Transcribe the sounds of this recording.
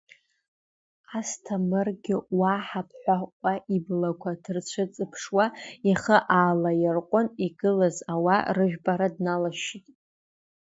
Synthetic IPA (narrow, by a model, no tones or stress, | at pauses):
astʰamɨrɡʲɪwaħapʰħʷaqʷʼaʔiblakʷʰadɨrt͡ʃʷʰɨt͡sʼɨpʰʂwaaχəʔaːlajɪrqʷʼʊniɡɨlazawarɨʒᶣbaɾadnalaʃitʼ